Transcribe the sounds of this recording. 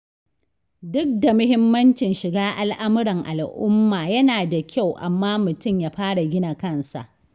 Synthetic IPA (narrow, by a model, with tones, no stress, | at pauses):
dʊ˦k̚da˨mʊ˦hɪ˦mːɐ˦nt͡ʃɪ˨nʃɪ˨ɡaː˦ʔa˨lʔa˦mʊ˦ɽɐ˨ŋʔa˨lʔʊ˦mːaː˨jɐ˦naː˨da˨kʲʰa˦˨wʔa̰˨mːaː˦mʊ˨tʊ˦˨mjaː˦ɸaː˦ɽa˨ɡʲɪ˦na˨kɐ˦nsa̰˨ʔ